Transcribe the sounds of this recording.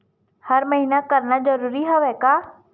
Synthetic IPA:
həɾməɦinakəɾnad͡ʒəɾuːɾiɦoʋɛkaː

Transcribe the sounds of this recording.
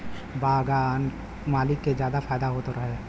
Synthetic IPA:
bʱaːɡan | maːlɪkːed͡ʒjaːd̪afaːjd̪aɦoːt̪oɾɐɦe

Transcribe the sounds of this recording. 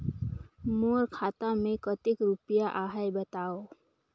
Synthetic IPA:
moɾkʰaːt̪amẽkət̪ɪkɾupijaʔaːɦɛjbət̪aːo

